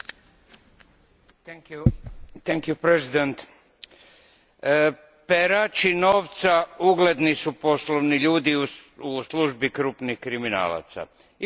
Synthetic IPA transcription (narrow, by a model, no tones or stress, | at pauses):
ut̪eŋkjupɾezid̪ent̪ | peɾat͡ʃinoːʋt̪sauɡle̞d̪nisupo̞sloʋniʎuːd̪iusluʒbikɾupnihkɾimina̰ːla̰t̪sa̰